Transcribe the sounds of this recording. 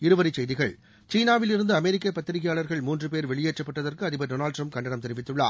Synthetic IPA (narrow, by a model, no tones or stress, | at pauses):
ɪɾɯʋɐɾɪt͡ʃɛjðɪɣɐɭ | t͡ʃiːnaːʋɪlɪɾɯnd̪ɯɐmɛɾɪkːɐpːɐt̪ːɪɾɪɣɪjaːɭɐɾɣɐɭmuːndrɯpeːɾʋɛɭɪjeːʈt͡ʃːɐpːɐʈːɐðɐɾkɯɐðɪbɐɖoːnaːlɖʈrɐmp̚kɐɳɖɐɳɐmt̪ɛɾɪʋɪt̪ːɯɭːa̰ː